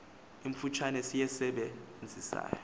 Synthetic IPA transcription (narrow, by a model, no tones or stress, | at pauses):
iɱ̩fut͡ʃʰanɛsijɛsɛɓɛ | nd͡zʱisa̰ːjɔ